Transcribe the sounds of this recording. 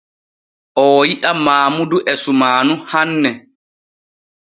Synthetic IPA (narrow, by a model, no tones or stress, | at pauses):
ʔɔːjiʔamaːmuduʔɛsumaːnuhanːɛ